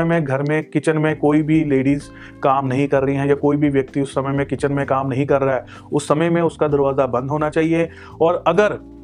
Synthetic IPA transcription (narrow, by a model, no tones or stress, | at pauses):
mẽɡʱɐɾmẽkɪt͡ʃənmẽkoːibʱileːɖiːz | kaːmnɐɦĩkɐɾːɐɦiɦɛ̃jakoːibʱiʋjɐk̚t̪iʊsːɐməjmẽkɪt͡ʃənmẽkaːmnɐɦĩkɐɾːaɦɛː | ʊsːɐməjmẽʊskad̪ɐɾʋaːzabɐ̃nd̪ɦoːnat͡ʃaːɦie | ɔːɾɐɡəɾ